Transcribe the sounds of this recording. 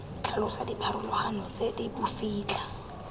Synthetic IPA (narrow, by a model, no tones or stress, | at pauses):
t͡ɬʰalɔsadipʰaɾʊlɔhanɔt͡sʼedibufiːt͡ɬa